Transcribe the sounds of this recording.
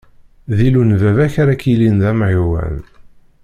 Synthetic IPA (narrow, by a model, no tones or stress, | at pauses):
ðilunvævæçɾækilinðæmʕiwæ̰n